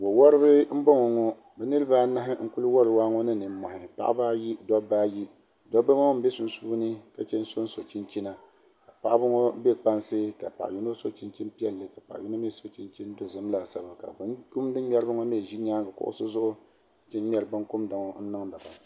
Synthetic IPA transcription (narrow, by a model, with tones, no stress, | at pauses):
wo˨wɔ˦ɾɨ˦bɨ˦m̩˦bɔ˦ŋɔ˨ŋɔ˦ | bɛ˨nɨ˦ɾɨ˦ba˦na˦ɦɪ˦ŋ̩˦kʊ˦lɨ˦wɔ˦ɾɨ˦waː˦ŋɔ˦nɨ˦nɨ˨˦mɔ˨hɪ˨pa̰˦ʔa̰˦ba˦ji˦dɔ˦baː˦ji˦ | dɔ˦ba˦ŋɔ˦m̩˦be˦su˨nsuː˦nɨ˦ka˨t͡ʃɛ˦n˦so˦n̩˦so˨t͡ʃi˦nt͡ʃi˦na˦ | ka˨pa˦ʔbʊ˦ŋɔ˦be˦k͡pa˦nsɨ˦ka̰˨pa̰˨ʔi˦no˦so˦t͡ʃi˦nt͡ʃi˦n˦pi˦ɛ˦lːɨ˨ka˨pa̰˨ʔji˦no˦me˦˨so˨t͡ʃi˦nt͡ʃi˦n˦do˨zɨ˦m˦la˨sa˦ba˨ka̰˨bnku˦mdɨ˦m˦m˦ɛ˦ɾɨ˦bɨ˦ŋɔ˦me˦˨ʒi˦ɲaː˦ɡa˨kʊ̰˦ʔʊ̰˦sɨ˦zʊ˦ʔʊ˦ | kḁ˨t͡ʃɛ˦m˦ɛ˦ɾɨ˦bɨ˦ŋ˦kʊ˦mda˨ŋɔ˦n̩˦nɨ˦ŋda˨ba˨